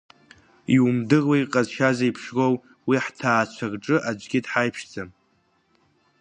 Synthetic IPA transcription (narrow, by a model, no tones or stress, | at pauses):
iwumdɨʁwaiqʼazʃazajpʰʂrow | wiħtʰaːt͡ʃʷʰarʈ͡ʂʼɨʔad͡ʒʷɡʲɪdħajpʰʂd͡zam